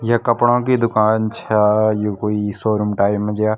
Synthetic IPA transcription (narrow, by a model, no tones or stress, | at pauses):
jɐkɐpɽ̃õkid̪ʊkaːnt͡ʃʰajekoːisoːɾumʈaːɪmẽd͡ʒja